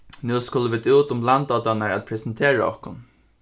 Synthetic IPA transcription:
nʉːskʊləʋɪt̪uːt̪ʊmlant̪ɑːt̪ɑnəɹæt̪̚pʰɾɛsənt̪ʰeːɹa̰ɔ̰hkʊn

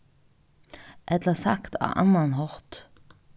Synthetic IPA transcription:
ʔɛt̪əsɑkt̪ʰɑ̰ːʔɑ̰nɑnhɔʁt̪

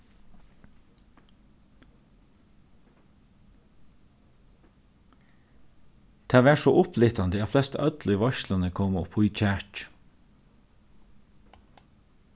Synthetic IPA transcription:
t̪ʰæːʋæːʃoːʔʊpʰlɪt̪ɑnd̪əɑflɛst̪əœd̪lɪʋɑʃlɑnəkʰɔmɔpʰʊʏc͡çæːʈ

